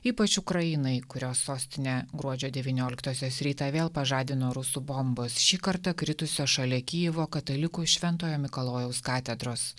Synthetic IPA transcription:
iːpɐt͡ʃʊkɾɐjɪnɐɪkʊɾʲoːsːoːsʲt̪ʲɪnʲeɡɾuɔd͡ʒʲoːd̪ʲɛʋʲiːnʲoːlʲɪkt̪oːsʲoːsɾʲiːt̪ɑʋʲeːlˠpɐʒɑːd̪ʲɪnoːɾʊsuːbombʊsʃʲiːkɐɾt̪ɐkɾʲɪt̪ʊsʲoːʃɐlʲɛkʲɪjɪʋoːkɐt̪ɐlʲɪkuːʃʲʋʲɛnt̪oːjoːmʲɪkɐlˠoːjɛʊskɑːt̪ʲɛd̪ɾoːs

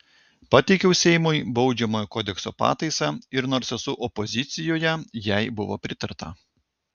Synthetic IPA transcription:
pɑt̪ʲɛɪkʲɛʊsʲɛɪmʊjbɒʊd͡ʒʲɛmoːjoːkoːd̪ʲɛkso̰ːpɑ̰ːt̪ɐɪsɑɪɾnoːɾsɛsʊʔɔpɔzʲɪt̪sʲɪjoːjɛjɛɪbʊʋo̰ːpʲɾʲɪt̪ɐɾt̪ɐ̰

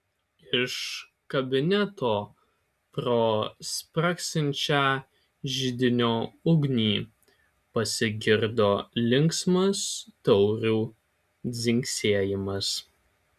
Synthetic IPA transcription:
ɪʃ | kɐbʲɪnʲɛt̪oː | pɾoːspɾɐksʲɪnʲt͡ʃʲæː | ʒʲɪd̪ʲɪnʲoːʊɡnʲiː | pɐsʲɪɡʲɪɾd̪oːlʲɪŋksmɐst̪ɒʊɾʲuː | d̪zʲɪŋʲksʲeːɛjɪmɐs

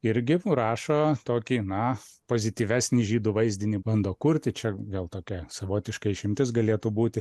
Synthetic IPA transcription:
ɪɾʲɡʲɪɾɑːʃoːt̪oːkʲiːnɐpoːzʲɪt̪ʲiːʋʲæːsʲnʲiːʒʲiːd̪uʋɐɪzʲd̪ʲɪnʲibɐnd̪oːkuɾʲt̪ʲɪt͡ʃʲɛʋʲeːlˠt̪oːkʲɛsɐʋoːt̪ʲɪʃkɐɪɪʃʲɪmʲt̪ʲɪsɡɐlʲeːt̪uːbuːt̪ʲɪ

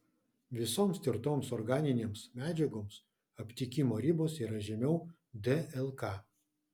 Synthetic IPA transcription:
ʋʲɪsoːmst̪ʲɪɾt̪oːmsɔɾɡɑːnʲɪnʲeːmsmʲæːd͡ʒʲɛɡoːms | ɐpʲt̪ʲɪkʲɪmoːɾʲɪboːsiːɾɐʒʲɛmʲɛʊ | d̪ʲɛɛlˠkɑː

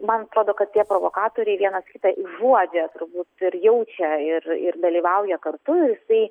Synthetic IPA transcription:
mɐnɐt̪ɾoːd̪oːkɐt̪̚tʲiɛpɾoːʋoːkɑːt̪oːɾʲɛɪʋʲiɛnɐskʲɪt̪ɐʔɪʒuɔd͡ʒʲɛt̪ʊɾbuːt̪ɪɾjɛʊt͡ʃʲɛɪrɪ̰rd̪ɐlʲiːʋɐʊjɛkɐrt̪ʊɪɾjɪsɐɪ

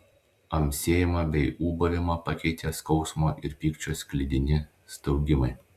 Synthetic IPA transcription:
ɐmʲsʲeːjɪmɐbʲɛɪuːbɐʋʲɪmɐpɐkʲɛɪt̪ʲeːskɒʊsmoːʔɪɾpʲiːkt͡ʃʲoːsʲkʲlʲɪd̪ʲɪnʲɪ | st̪ɐʊɡʲɪmɐɪ

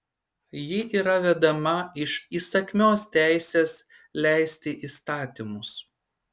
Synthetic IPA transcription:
jɪʔiːɾɐʋʲɛd̪ɐmɐɪʃiːsɐkʲmʲoːst̪ʲæˑɪsʲeːs | lʲæˑɪsʲt̪ʲɪʔiːst̪ɑːt̪ʲimʊs

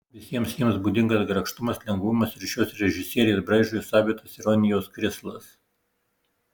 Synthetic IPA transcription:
ʋʲɪsʲiɛmsjiɛmsbuːd̪ʲɪŋɡɐsɡɾɐkʃt̪ʊmɐslʲɛŋɡʋʊmɐsɪɾʲʃʲoːsɾʲɛʒʲɪsʲiɛɾʲɪjɛsbɾɐɪʒʲujusɑːbʲit̪osɪɾɔnʲɪjoːskɾʲɪslˠɐs

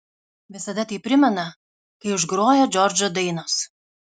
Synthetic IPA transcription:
ʋʲɪsɐd̪ɐt̪ɐɪpʲɾʲɪmʲɛnɐ | kɐɪʊʒɡɾoːjoːd͡ʒʲɔɾʲd͡ʒʲod̪ɐɪnos

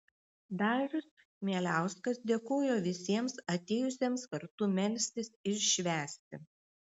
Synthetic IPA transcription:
d̪ɑːʒʲʊs | mʲiɛlʲæˑʊskɐsd̪ʲeːkoːjoːʋʲɪsʲiɛmsɐt̪ʲeːjʊsʲiɛmskɐɾt̪uːmʲɛlʲsʲt̪ʲɪsɪʃʃʲʋʲæːsʲt̪ʲɪ

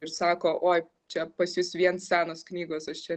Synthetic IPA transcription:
ɪɾsɑːkoːʔoːj | t͡ʃʲɛpɐsjʊsʋʲiɛnssʲæːnoːsknʲiːɡoːsɐʃt͡ʃʲɛ

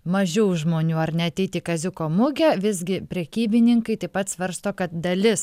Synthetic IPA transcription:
mɐʒʲɛʊʒmoːnʲuːɐrnʲɛɐt̪ʲɛɪt̪ʲiːkɐzʲʊkoːmʊɡʲɛʋʲɪzʲɡʲɪpʲɾʲɛkʲiːbʲɪnʲɪŋkɐɪt̪ɐɪpɐt̪sʋɐɾst̪oːkɐt̪̚d̪ɐlʲɪs

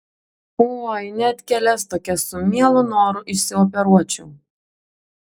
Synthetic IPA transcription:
oojnʲɛt̪ʲkʲɛlʲɛst̪oːkʲɛsʊmʲiɛlˠʊnoːɾʊʔɪʃsʲɪɔːp̬ʲɛɾuɔt͡ʃʲʊʊ

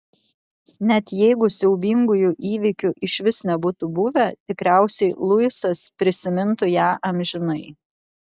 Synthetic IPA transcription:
nʲɛt̪jɛɪɡʊsʲɛʊbʲiŋɡʊjuʔiːʋʲɪkʲʊʔɪʃʲʋʲɪsnʲɛbuːt̪ʊbʊʋʲɛt̪ʲɪkɾʲæˑʊsʲɛɪlˠʊɪsɐspʲɾʲɪsʲɪmʲɪnt̪ʊjæːʔɐmʲʒʲɪnɐɪ

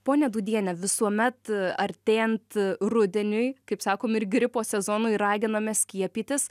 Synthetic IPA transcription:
poːnʲɛd̪uːd̪ʲiɛnʲɛʋʲɪsuɔmʲɛt̪ɐɾʲt̪ʲeːjɛnt̪rʊd̪ʲɛnʲʊjkɐɪpsɑːkoːmɪɾɡɾʲɪpoːsʲɛzoːnʊɪɾɑːɡʲɪnɐmʲɛsʲkʲiɛpʲiːt̪ʲɪs

